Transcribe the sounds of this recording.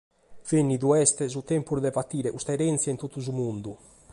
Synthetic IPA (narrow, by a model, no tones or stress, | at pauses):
venːiðuɛst̪ɛzut̪ɛmpuɾðɛpat̪iːɾɛʔust̪aɛɾɛnt̪sjaint̪ot̪ːuzumund̪u